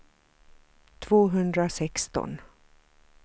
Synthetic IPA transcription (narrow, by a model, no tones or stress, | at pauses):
t̪ʰvoːɦɵnd̪ɾasɛkst̪ɔ̰n